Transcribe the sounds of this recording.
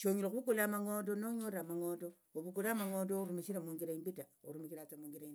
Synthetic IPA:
ʃoɲilaxuβukolamaŋondonoɲoɾamaŋonto | oβukolamaŋondouɾumiʃilamuŋɡiɾaimbitaoɾumikiɾat͡samuːŋɡiɾai

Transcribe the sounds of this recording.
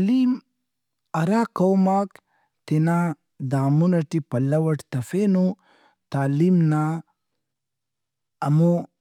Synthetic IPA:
lim | aɾaːkamak | t̪ena | d̪aːmunaʈipɐlawɐʈt̪afenu | t̪aːlimna | mu

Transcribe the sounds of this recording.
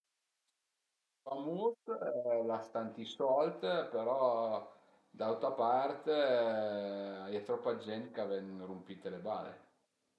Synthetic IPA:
famut̪last̪ant̪isɔlt̪peɾɔ | d̪awt̪apart̪e | ajat̪ɾɔpːad͡ʒɛnt̪kavɛnrumpiːt̪eleba̰ːlḛ

